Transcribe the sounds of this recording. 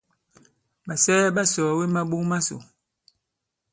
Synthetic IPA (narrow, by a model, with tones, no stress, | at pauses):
ɓa˨sɛː˦ɓa˦sɔː˨we˦ma˦ɓu˦ma˦so̰˨